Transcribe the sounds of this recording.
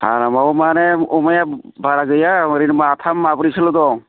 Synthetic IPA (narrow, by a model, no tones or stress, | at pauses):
ha̰ɾamawmanɛɔmaja | baɾaɡɯjamɯɾinmaːtʰamːabɾisɯlɔdɔ